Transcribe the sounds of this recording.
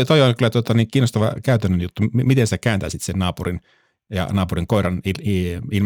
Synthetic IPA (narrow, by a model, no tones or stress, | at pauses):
t̪oioŋkylːˑæt̪uot̪ɑniːŋkiːnost̪ɑʋɑ̰kæyt̪ænːønjut̪ːuimit̪ensit̪ækæːnt̪æ̰ːsit̪sennɑːpurin | jɑ̰nɑːpuriŋkoiɾɑniliilm